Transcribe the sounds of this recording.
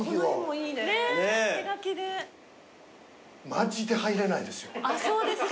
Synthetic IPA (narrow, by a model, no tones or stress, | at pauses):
iomoiːd̪eneneiɡakʲid̪e | maʑid̪e̞haiɾe̞naid̪e̞sɨ̥joasoːd̪esɨ